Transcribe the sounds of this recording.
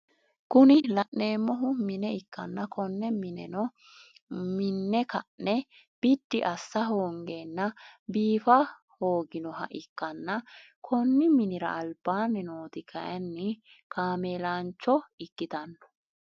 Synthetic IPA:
kʊnɪlɐʔne̞ːmːɔɦʊmɪnɛɪkːɐnːɐkʰɔnːɛmɪnɛɔ | mɪnːɛkɐʔnɛ | b̥ɪd̪̥ːɪʔɐsːɐɦoːŋɡeːnːɐbiːfɐ | ho̞ːɡɪnɔɦɐ̰ʔɪkːɐnːɐ | kʰɔnːɪmɪnɪɾɐ̰ʔːlbaːnɛnoːt̪ɪkʰɐ̰ʔɐnːɪ | kaːmeːlaːnt͡ʃːɔɪkːɪt̪ɐnːɔ̥

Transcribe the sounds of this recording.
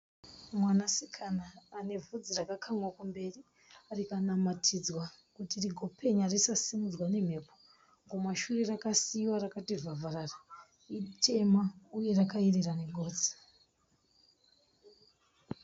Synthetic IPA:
mwanasikʰanaːne̞vud͡zirakakʰamwakumbe̞ri | rikanamatʰid͡zwakutiriɡʱo̞pʰe̞ɲarisasimud͡zwane̞m̤e̞ːpo | ŋɡomaʃurerakasiwaɾakativavarara | itʰe̞mauje̞rakaereraneɡʱo̞ːd͡zi̥

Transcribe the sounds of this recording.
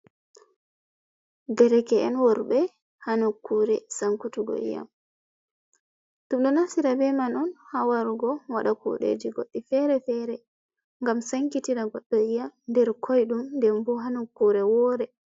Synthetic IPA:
dɛɾɛkɛɛnwɔɾbɛ | hanukːuɾɛsaŋkutuɡɔ̰ḭja̰m | tumɗɔnasiɾabɛmanɔnhawaɾuɡɔwaɗakṵɗḛd͡ʒiɡo̰ɗːifɛɾɛfɛɾɛ | ŋɡamsaŋkitiɾaɡɔɗːɔijamndɛɾkʰɔjɗumndɛmbɔɦanukːuɾɛwɔːɾɛ

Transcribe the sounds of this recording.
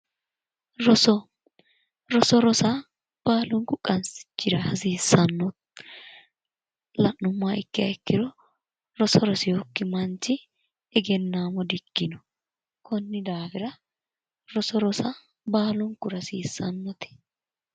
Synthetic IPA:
ɾɔsɔ | ɾɔsɔɾɔsa | b̥aːlʊnkʊkʼːɐnsɪ̥t͡ʃːɪɾɐhɐsiːsːɐnːɔt̪ | lɐnːʊmːaɪkːɪɐɪkːɪɾɔ | ɾɔsɔɾɔsɪjoːkːɪmɐnt͡ʃːɪ | ɛɡɛnːaːmɔd̪ɪkːɪnɔ | kɔnːɪd̪aːfɪɾɐ | ɾɔsɔɾɔsa | baːlʊŋkʊɾɐsiːsːɐnːɔt̪ɪ̥

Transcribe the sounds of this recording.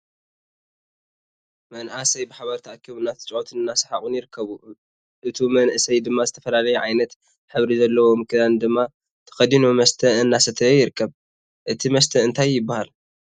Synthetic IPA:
mɐnʔasɐjbɨħaβɐɾt̪ʰiʔakʰːiβunːat̪ɨ̥t͡ʃʼʕot̪ʰɨnɨnːasɐħaʔʼunjɪɾɨkʰːɐβu | ʔɨt̪ʰimɐnʔɨsɐjd̪ɨmːazɨt̪ʰɐ̥fɐlalɐjuʕajnɐt̪ | ħɨβɾizɐlːɐwomɨkʰɨd̪and̪ɨmːa | t̪ʰɐ̥xɐd̪inumɐst̪ʰɐɨnːasɐt̪ʰɐjɪɾɨkʰːɐβ | ʔɨt̪ʰimɐst̪ʰɐɨnt̪ʰajːɪbːahal

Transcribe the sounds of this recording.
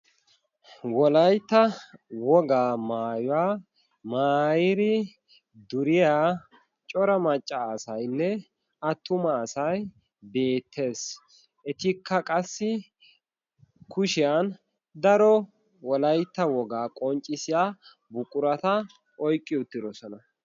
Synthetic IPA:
wɔlɐjt̪ːɐwɔɡaːmaːjʊwaː | maːjɪɾɪ | d̪ʊɾɪjaː | t͡ʃʼɔɾɐmɐt͡ʃʼːaːsɐjnːɛ | ɐt̪ːʊmɐːsɐj | be̞ːt̪ʰːe̞ːs | ʔɛt̪ɪkʰːɐkʼɐsːɪ | kʊʃɪjan | d̪ɐɾɔ | wɔlɐjt̪ːɐwɔɡaːkʼɔnt͡ʃʼːɪsɪjaː | bʊkʼʊɾɐt̪ɐ | ʔɔjkʼːɪʊt̪ːɪd̪ɔsɔnɐ

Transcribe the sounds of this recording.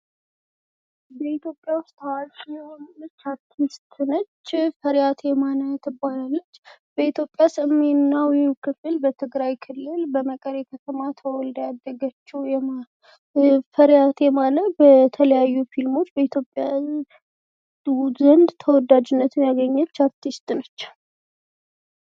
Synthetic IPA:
bəit̪jo̞pʼːjawʊst̪awalɛonət͡ʃːaɾt̪ʰist̪ʰɨnət͡ʃːfəɾjat̪ʰjɛmanət̪ʰɨbanalːət͡ʃːbəit̪ʰjo̞pʼjasɨmːe̞nnawikʰɨfɨlbət̪ʰɨɡɾajkʰɨlːɨlbəməkʼəɾɛkʰət̪ʰəmat̪ʰəwɔld̪jad̪ːəɡət͡ʃːɛwjɛma | fəɾjat̪jɛmalət̪bət̪ʰələjajːufilmo̞t͡ʃːbəit̪ʰjo̞pʼja | zənd̪t̪ʰəwɔd̪ad͡ʒɪnːət̪ʰɨmjaɡəɲːət͡ʃːaɾt̪ʰist̪nət͡ʃː

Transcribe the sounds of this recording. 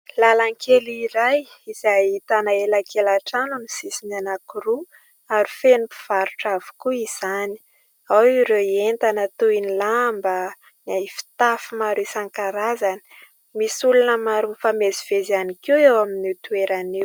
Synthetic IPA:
lalaŋkʰeliɾaj | iz̥ajit̪anaelakʰelaʈ͡ʂanunisisinanakuɾu | aɾifenipu̥v̥aɾuʈ͡ʂavu̥kuiz̥ani̥ | awiɾewent̪anət̪uinilambə | nafi̥t̪afumaɾesaŋkaɾazani̥ | misulunəmaɾufameziv̥ezianikiwewaminit̪ueɾaniw

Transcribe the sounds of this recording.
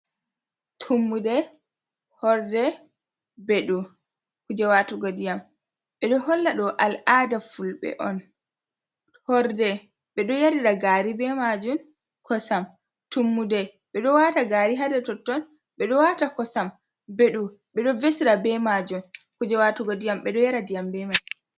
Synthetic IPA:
tʰumːudɛ | hɔɾdɛ | bɛɗu | kud͡ʒɛwatuɡodijam | ɓɛɗɔhɔlːaɗɔʔalaːdafulɓɛ̰ʔɔn | hɔɾdɛ | ɓɛɗɔjaɾiɗaɡaɾibɛmad͡ʒum | kʰɔsam | tumːudɛ | ɓɛɗɔwataɡaːɾiɦadɛtɔtːɔn | ɓɛɗɔwatakɔsam | beɗu | ɓɛɗɔvesiɾabɛmad͡ʒumkud͡ʒɛwatuɡodijamɓɛɗɔjaɾadijambɛmad͡ʒ

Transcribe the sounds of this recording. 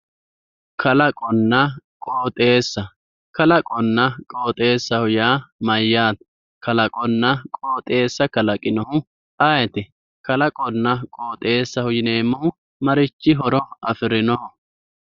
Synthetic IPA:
kʰɐlɐkʼɔnːɐkʼoːt̪ʼe̞ːsːɐ | kɐlɐkʼɔnːɐkʼoːt̪ʼe̞ːsːɐhʊjaːmɐjːaːt̪̚ | kɐlɐkʼɔnːɐkʼoːt̪ʼe̞ːsːɐkɐlɐkʼɪnɔhʊ | ɐjɛt̪ɪ | kɐlɐkʼɔnːɐkʼo̞ːt̪ʼe̞ːsːɐhʊjɪneːmːɔhʊ | mɐɾɪt͡ʃːɪɦɔɾɔɐfɪɾɪnɔhɔ

